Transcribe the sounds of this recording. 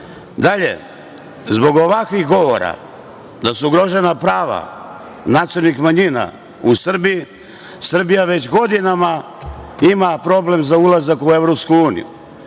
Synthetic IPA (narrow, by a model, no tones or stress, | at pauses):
d̪aʎe̞̰ | zbo̞ɡo̞ʋakʋixɡo̞ʋo̞̰ɾa̰ | d̪asuuɡɾo̞ʒe̞napɾaːʋa̰ | nat̪soɾnixmaɲina̰ | usr̩biji | sr̩bijaʋet͡ɕɡo̞d̪inama | imapɾo̞ble̞mzaulˠazakue̞ʋɾopskuuːnḭjṵ